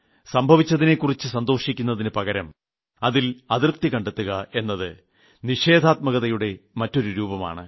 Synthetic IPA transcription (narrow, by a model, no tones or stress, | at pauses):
sɐmbʱɐʋit͡ɕːɐðine̞kːurit͡ɕːɨsɐnd̪o̞ːʂikʲːunːɐðinɨpɐɣɐɾɐm | ɐðilɐðirp̚t̪ikɐɳɖet̪ːuɣɐe̞nːɐðɨ | niʂe̞ːd̪ʱaːt̪̚mɐɣɐðɐjuɽe̞mɐtːo̞ɾuɾuːbɐma̰ːɳɨ̰